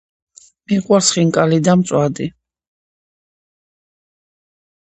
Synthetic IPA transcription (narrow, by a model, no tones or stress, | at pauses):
miqʼwaɾsχiŋkʼalid̪amt̪sʼwad̪i